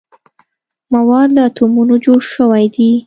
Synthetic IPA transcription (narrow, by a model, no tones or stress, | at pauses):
mawɑd̪laat̪umunod͡ʒoɽʃəwajd̪i